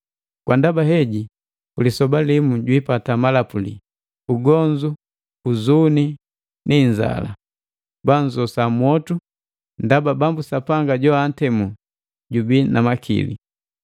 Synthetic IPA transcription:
kwandabaɦɛɟi | ulisɔbalimuɟwipatamalapulḭ | uɡɔɲd͡ʒu | uzuni | niɲd͡ʒa̰la̰ | banzɔsamwɔtu | ndababambusapaŋɡaɟɔan̩tɛmu | ɟubinamakʰḭlḭ

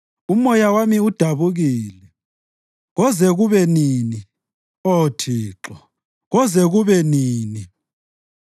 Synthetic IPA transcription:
umɔjawamiud̥ʱaβuɣiːlɛ | ɣɔzɛɣuβɛniːni | otʰiːǁɔ | ɣɔzɛɣuβɛniːni

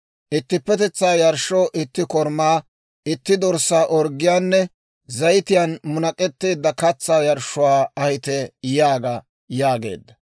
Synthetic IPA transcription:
ʔɪt̪ːɪpːɛt̪ɛt͡sːaːjɐɾʃːɔːʔɪt̪ːɪkɔɾmaː | ʔɪt̪ːɪd̪ɔɾsːaːʔɔɾɡɪjaːnːɛ | zɐjɪt̪ɪjanmʊnɐkʼɛt̪ːeːd̪ːɐkɐt͡sːaːjɐɾʃːʊwaːɐhɪt̪ɛjaːɡa | jaːɡe̞̰ːd̪ːɐ

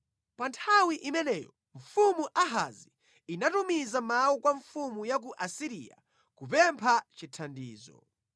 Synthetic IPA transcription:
pantʰawiʔimɛnɛːjɔ | ɱfumuʔaɦa̰zi | inatumizamawukwaɱfumujak̬uʔasiɾḭa̰ | kupɛmpʰat͡ʃitʰandḭːzɔ̰

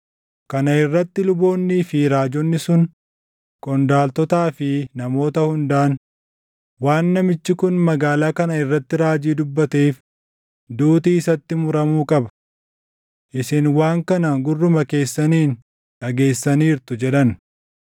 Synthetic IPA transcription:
kɐnɐɪrːɐt̪ːɪlʊbo̞ːnːiːfɪɾaːd͡ʒɔnːɪsʊn | kʼɔnd̪aːlt̪ɔt̪aːfɪnɐmo̞ːt̪ɐhʊnd̪aːn | waːnːɐmɪt͡ʃːɪkʊnmɐɡaːlaːkɐnɐɪrːɐt̪ːɪɾaːd͡ʒiːd̪ʊbːɐt̪eːf | d̪uːt̪iːɪsɐt̪ːɪmʊɾɐmuːkʼɐbɐ̥ | ʔɪsɪnwaːŋkɐnɐɡʊrːʊmɐke̞ːsːɐniːn | ᶑɐɡe̞ːsːɐniːɾt̪ʊd͡ʒɛᶑɐn

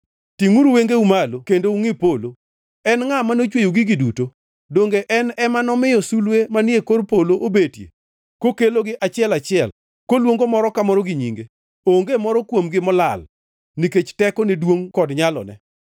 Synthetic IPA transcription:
tiŋuɾweŋɡeumalokendouŋɪpolo | ɛnŋamanot͡ʃwejoɡɪɡiduto | doŋɡeʔɛnɛmanɔmɪjɔsulwemanekorpoloʔobetjḛ | kokeloɡɪʔat͡ʃɪɛlat͡ʃɪɛl | kolwoŋɡomɔɾɔkamɔɾɔɡiɲiŋɡe | oŋɡemɔɾɔkwomɡɪmɔlal | niket͡ʃtɛkɔnedwoŋkɔdɲalɔ̰nɛ̰

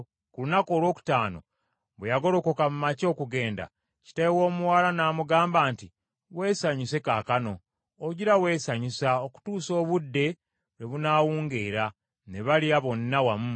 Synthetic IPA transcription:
kulunako̞ːlwo̞ːku̥taːno̞̰ | bwejaɡo̞ɾo̞ko̞kamumaco̞ːkuɡe̞ːnda̰ | ci̥tajewo̞ːmuwaːlanaːmuɡaːmbaːnti | we̞ːsaɲise̞kaːkano̞ | oɟiɾawe̞ːsaɲisaoku̥tuːso̞ːβudːe̞ | weβunaːwuːŋɡeːɾa | ne̞βaliaβo̞nːawamu

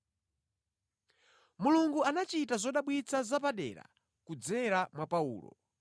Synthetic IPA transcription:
muluŋɡuanat͡ʃitazɔɗaɓwit͡sʰazapaɗɛ̰ːɾa̰ | kud͡zɛɾamwapaṵːlɔ̰

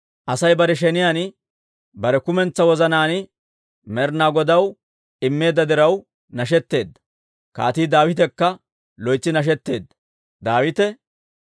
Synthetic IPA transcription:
ʔɐsɐjbɐɾɛʃ̬ɛnɪjan | bɐɾɛkʊmɛnt͡sːɐwɔzɐnaːnɪ | mɛɾnaːɡɔd̪ɐw | ɪmːe̞ːd̪ːɐd̪ɪɾɐw | nɐʃ̬ɛt̪ːe̞ːd̪ːɐ̥ | ka̰ːt̪iːd̪aːwɪt̪̬ɛkːɐ | lɔjt͡sːɪnɐʃ̬ɛt̪ːe̞ːd̪ːɐ̥ | d̪aːwɪt̪ɛ

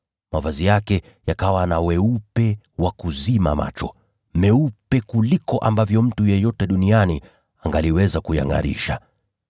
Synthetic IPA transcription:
mavazijakɛ | jakawanawɛupɛ | wakuzima̰ma̰t͡ʃɔ | mɛupɛkulikɔʔambavjɔm̩tujɛjɔtɛɗuniani | aŋɡaliwɛzakuja̰ŋa̰ɾḭʃa

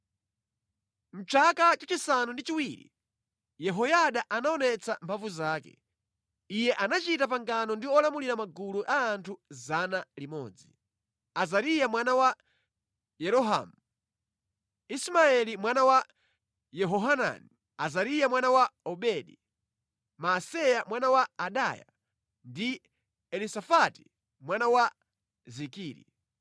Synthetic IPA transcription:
m̩t͡ʃʰakat͡ʃat͡ʃisanundit͡ʃiwiːɾḭ | jɛɦɔjaɗaʔanaɔnɛt͡sʰampʰavuzaːkɛ̰ | ijɛʔanat͡ʃitap̬aŋɡanɔndiɔlamuliɾamaɡuluʔaːntʰuzanalimɔ̰ːd͡zi | azaɾijamwanawa | jɛɾɔɦa̰mu | ismaɛlimwanawa | jɛɦɔɦana̰ni | azaɾijamwanawaɔɓɛɗi | masɛjamwanawaːɗa̰ja̰ | ndi | ɛlisafati̥ | mwanawa | zikiːɾḭ

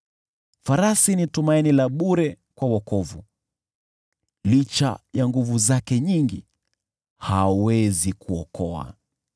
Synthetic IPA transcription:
faɾasinitumainilaɓuɾɛ | kwawɔkɔvu | lit͡ʃa̰jaŋɡuvuzakɛɲiŋɡi | hawɛzikuɔkʰɔa̰

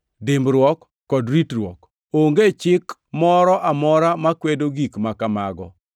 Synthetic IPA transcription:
dɪmbɾwɔkː | ɔdɾitrwɔ̰k | oŋɡet͡ʃɪkmɔɾɔʔamɔɾamakwedoɡikmakamaɡɔ

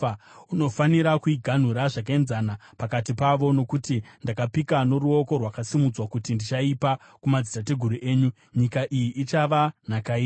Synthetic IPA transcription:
uno̞faniɾakuiɡʱan̤uɾaʐakaenzanapakatipaʋo̞no̞kutindakapikano̞ɾuo̞ko̞rwakasimud͡zwakutindit͡ʃaipa | kumad͡zitat̬e̞ɡʱuɾuʔe̞ːɲu | ɲikaʔijiʔit͡ʃaʋanakaiː

